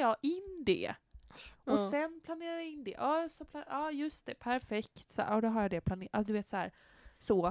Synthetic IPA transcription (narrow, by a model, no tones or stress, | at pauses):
jɑːɪnd̪ɛ̰ | ɔsɛnpʰlaneːɾajaɪnd̪ɛ̰ʔɑːsɔpʰlaʔɑːjɵst̪ɛpʰæɾfɛkt̪sa̰ːʔɔd̪ɔɦaɾjɑd̪ɛpʰlaneːʔasɔd̪ɵveːt̪sɔhæ̰ːɾ | sɔ